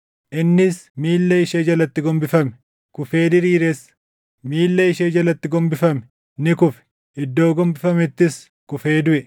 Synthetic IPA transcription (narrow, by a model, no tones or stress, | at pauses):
ʔɪnːɪsmiːlːɐɪʃeːd͡ʒɐlɐt̪ːɪɡɔmbɪfɐmɛ | kʊfe̞ːd̪ɪɾiːɾɛs | miːlːɐɪʃeːd͡ʒɐlɐt̪ːɪɡɔmbɪfɐmɛ̥ | nɪkʊfɛ̥ | ʔɪd̪ːo̞ːɡɔmbɪfɐmɛt̪ːɪs | kʊfe̞ːd̪ʊʔɛ